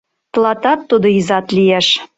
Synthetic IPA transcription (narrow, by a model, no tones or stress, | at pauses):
t̪lˠɑt̪ɑt̪ːud̪oizɑt̪lijeʃ